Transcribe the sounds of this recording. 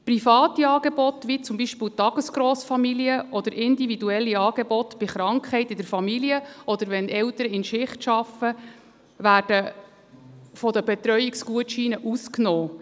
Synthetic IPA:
prifɑːt̪iɑːɡ̥ebɔt̪ʋit͡sʊmbiʃpiːltɑɡ̥əsɡ̥ɾɔːsfɑmiliəʔɔd̥̪əɾʔɪnd̪ividuɛlːiɑːɡɛbɔtb̥ɪχɾɑŋkχhɛɪtɪd̥̪əɾfɑmiliəʔɔd̪əɾʋɛnɛwt̪əɾəɪnʃɪχtʃɑfə | ʋæːrd̥ə | fɔd̪əbɛt̪ɾœjiksɡuətʃiːnəʔusknɔː

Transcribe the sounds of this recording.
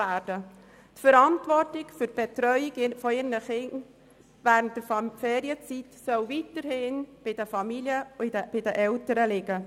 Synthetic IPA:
æːɾd̥ə | tfəɾɑntvɔrtɪɡfʏɾb̥ɛtɾœʏiɡfɔɪnəχɪn | væːɾəntːəfɛːɾiət͡sitsœwvitəɾhɪnb̥ɪd̥əfɑmiliəb̥ɪdəʔɛltəɾəlɪɡə

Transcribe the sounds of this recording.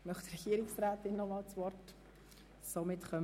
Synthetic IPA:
mœχt̪ɾɛɡ̥iəɾɪksræːtɪnːɔmɑːlt͡svɔrt | somɪtχœm

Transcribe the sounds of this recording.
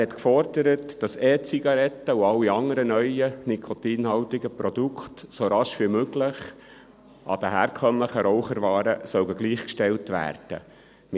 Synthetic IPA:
hɛt̪kfɔrd̥əɾətd̥ɑsɛːt͡siɡɑɾɛtːəuɑwiɑŋəɾənœʏənikʰotiːnhɑltɪɡəpɾɔd̪ukχtsoɾɑʃʋimøɡlɪχ | ʔɑ̰d̥̪əɦæːɾkʰœmləχəɾɔwχəɾvɑːɾəsœwɡəɡliːχkʃtɛltʋæ̰ːrd̥ə̰ | m

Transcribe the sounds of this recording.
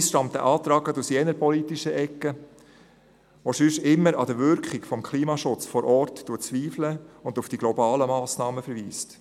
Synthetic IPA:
sʃtɑmt̪ə̰ʔɑːt̪ɾɑːɡətusjɛnəɾpɔlit̪iʃəʔɛkːə | ʋoʃʏʃɪmːəɾɑd̥əɾʋʏɾkχɪkfɔmkʰliːmɑʃʊt͡sfɔɾʔɔɾtːuːət͡sʋiːfləʊnd̪ufd̥iɡ̥lɔbɑːləmɑːsnɑːməfɛɾʋiːst

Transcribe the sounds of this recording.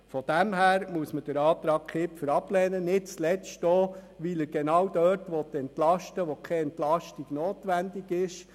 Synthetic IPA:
fɔd̥æmɦæːɾmuəsməd̥əɾɑːt̪ɾɑːk̚kʰɪpfəɾɑplɛːnənɪt̚t͡slɛt͡stoːʋiləɡ̥enɑːwdœɾtʋɔt̪ɛntlɑʃtəʋɔkʰɛɛntlɑʃtiɡ̥noːtʋændiɡɪʃ

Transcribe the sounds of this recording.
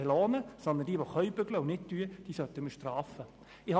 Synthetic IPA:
elɔːnəsɔnd̪ənd̥iːʋoχœʏbʏɡləʊnɪt̚tyːəd̥iːsœt̪ːəməʃtrɑːfə | ɪhɑ

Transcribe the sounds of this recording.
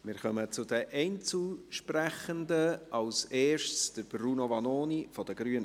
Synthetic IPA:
mɪːɾχœmət͡sʊdəʔɛɪnt͡suʃpræχəndəʔɑʊseːɾʃtsd̥əɾbɾuːnovɑnoːnifɔd̥əɡɾyənə

